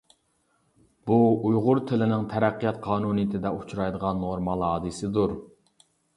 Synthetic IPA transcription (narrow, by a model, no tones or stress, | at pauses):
buujʁʊɾt̪ʰɪlɪnɪŋt̪ʰɛɾæqːijɑt̪̚qʰɑːnunijit̪ʰɪd̪ɛʔut͡ʃʰɾɑjd̪əʁɑnːoɾmɑlˠɦɑːd̪ɨsɪd̪uɾ